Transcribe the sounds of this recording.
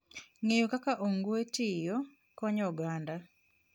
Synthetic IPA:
ŋejokakaʔoŋɡoetijɔ | kɔɲɔɡanda

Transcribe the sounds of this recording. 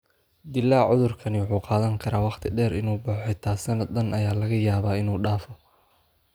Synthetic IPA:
d̪ɪlːaːʕʊðʊrkʰɐnɪwʊħuːqɑːðɐŋkʰɐɾaːwɑqt̪ʰɪɖɛːɾɪnuːbʊħɔjt̪ʰaːsɐnɐɐnʔɐjaːlɐɣɐjaːβaːɪnuːɖaːfɔ

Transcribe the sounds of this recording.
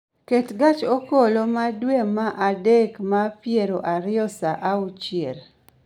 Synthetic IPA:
ketɡat͡ʃokolomadwemaʔadekmapjeɾoʔaɾɪɔsaʔaut͡ʃjeɾ

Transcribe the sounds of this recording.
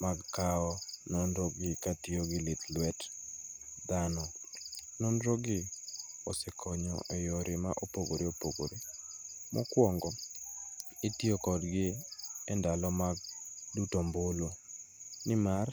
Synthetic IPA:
maɡkaɔnɔndɾɔɡɪkatioɡɪlɪt̪lwɛt | d̪anɔ | nɔndɾɔɡɪɔsɛkʰɔɲɔ̰ʔɛjɔɾɪma̰ʔopoɡoɾiopoɡo̰ɾe | mɔ̰kwɔŋɡɔ | ɪtiokɔdɡɪɛndalɔmaɡ̚dutombolonɪmar

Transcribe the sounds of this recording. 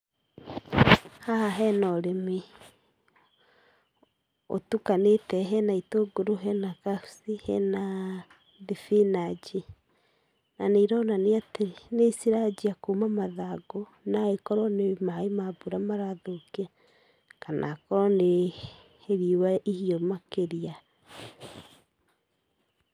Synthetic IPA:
hahaɦɛnɔɾeme | o̰tukanetɛɦɛnaitoɡoɾoɦɛnakasihɛ̰na | ðefinad͡ʒe | naneiɾɔnaneateenesiɾad͡ʒiakomamaðaɡo | naekɔɾɔnemaemabuɾamaɾaðokea | kanʔa̰kɔɾɔne | heɾiwaʔihiɔmakeɾia

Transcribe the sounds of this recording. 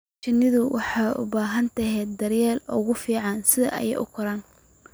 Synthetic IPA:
t͡ʃɐnːɪðʊwɑħɑːʔʊ̰baːɦɐnt̪ʰɐɦɛːd̪ɐrjɛːlɔ̰ɣʊfiːʕɑnsɪðɐ̰ʔɐ̰jɛ̰ʔʊ̰kʰʊɾaːn

